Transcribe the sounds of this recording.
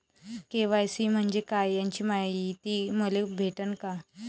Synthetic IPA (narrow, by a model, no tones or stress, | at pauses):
keʋajsim̤əɳd͡ʑekajjaɲt͡ɕiːmait̪iːməlebʱeʈənka